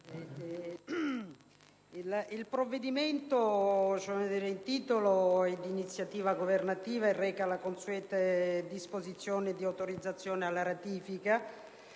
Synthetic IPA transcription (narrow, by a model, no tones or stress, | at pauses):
ɛ | ililpɾovːed̪iment̪ot͡ʃomed̪iːɾeint̪iːt̪oloɛd̪init̪sːjat̪iːvaɡovernat̪iːvaerːɛːkalakonsuɛːt̪ad̪ispozit̪sːjoːnɪd̪iawt̪oɾid̪zːat̪sːjoːnealːaɾat̪iːfika